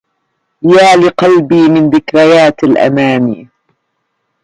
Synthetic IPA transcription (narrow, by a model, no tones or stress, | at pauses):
jaːlɪqɑlbiːmɪnðɪkɾajaːt̪alʔa̰maːniː